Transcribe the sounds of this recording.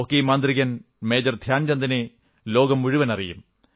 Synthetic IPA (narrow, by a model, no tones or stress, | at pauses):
okːiːmaːnd̪riɣɐn | meːd͡ʑɐrd̪ʱjaːnt͡ɕɐnd̪ɐne | lo̞ːɡɐmuɻiʋɐnɐrijum